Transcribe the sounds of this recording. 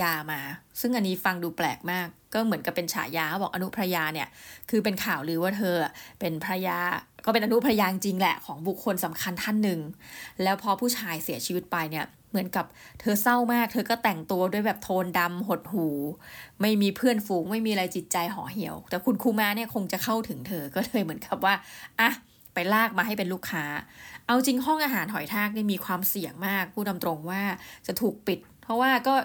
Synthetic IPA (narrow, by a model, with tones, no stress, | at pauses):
jaː˧maː˧sɯ˥˩ŋʔa˧nːiː˦˥fa˧ŋduː˧plɛː˨˩k̚maː˥˩kːɔː˥˩mɯ˩˦nka˨˩pːe˧nt͡ɕʰa̰ː˨˩˦jaː˧a˥˩bɔː˨˩kʔa˧nu˦˥pʰɾa˧jaː˧ni˥˩ɐkʰɯː˧p̬e˧nkʰaː˨˩wɾɯː˩˦waː˥˩t̪ʰɤː˧˩pe˧npʰɾa˧jaː˧kɔː˥˩pe˧nʔa˧nu˦˥pʰɾa˧jaː˧ŋt͡ɕi˧ŋlɛ̰˨˩kʰɔː˩˦ŋbu˨˩kʰːo˧nsa˩˦mkʰa˧nt̪ʰa˥˩nːɯ˨˩ŋlɛː˦˥wpʰɔː˧pʰuː˥˩t͡ɕʰaː˧jsi˨˩˦ət͡ɕʰi˧wi˦˥t̪̚pa˧jni˥˩ɐ | mɯ˨˩˦ənka˨˩p̚t̪ʰɤː˧sa˥˩wmaː˥˩k̚t̪ʰɤː˧kɔː˥˩t̪ɛ˨˩ŋt̪u˧ɐdu˥˩əjbɛː˨˩p̚t̪ʰoː˧nda˧mɦo˨˩t̪̚huː˨˩˦ma˥˩jmiː˧pʰɯ˥˩ənfuː˨˦ŋma˥˩jmiː˧ʔa˧ɾa˧jt͡ɕi˨˩t̪̚t͡ɕa˧jɦɔ̰ː˩˦ɦi˩˦əwt̪ɛː˨˩kʰu˧nkʰuː˧maː˦˥ni˥˩ɐkʰo˧ŋt͡ɕa˨˩kʰa˥˩wt̪ʰɯ˩˦ŋt̪ʰɤː˧kɔː˥˩lʰɤː˧jmɯ˩˦ənka˨˩p̚waː˥˩ʔa˧˩ | pa˧jlaː˥˩k̚maː˧ɦa˥˩jpe˧nluː˥˩kʰːaː˦˥ʔa˧wt͡ɕi˧ŋɦɔ˥˩ŋʔaː˧ɦaː˩˦nɦɔ˨˩˦jt̪ʰaː˥˩k̚niː˥˩miː˧kʰwaː˧msi˨˩əŋmaː˥˩k̚pʰuː˥˩na˧mt̪ɾo˧ŋwaː˥˩t͡ɕa˨˩t̪ʰuː˨˩k̚pi˨˩t̪̚pʰɔ˦˥waː˥˩kɔː˥˩